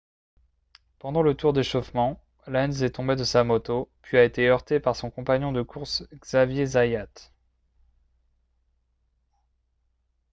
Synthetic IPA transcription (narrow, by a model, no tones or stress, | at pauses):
pɑ̃d̪ɑ̃lət̪uʁd̪eʃɔfmɑ̃ | lɛnzɛt̪ɔ̃bed̪əsamɔt̪opɥiaet̪eœʁt̪epaʁsɔ̃kɔ̃paɲjɔ̃d̪əkʰuʁsɡzavjezajat̪